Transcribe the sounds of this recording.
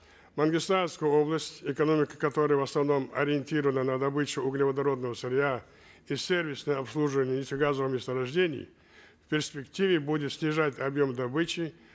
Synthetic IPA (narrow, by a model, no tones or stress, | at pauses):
mɐnɡʲɪst̪anskəjəoblˠəsʲtʲɪkɐno̞mʲɪkə̥kɐt̪o̞ɾəjəvɐsnɐvno̞mɐ̰ɾʲɪɪnʲtʲiɾəvənənɐd̪ɐbɨt͡ɕʊʊɡnʲɪvəd̪ɐɾo̞d̪nəvəsɪɾʲɪa | isʲervʲɪsnəjəɐpslˠuʐɨvənʲɪjnʲɪtʲɪɡazəvəmʲest̪əɾɐʐdʲenʲɪ̰jɪ̰ | fʲpʲɪrsʲpʲɪktʲivʲɪbudʲɪt̪sʲnʲɪʐatʲɐbjo̞md̪ɐbɨt͡ɕɪ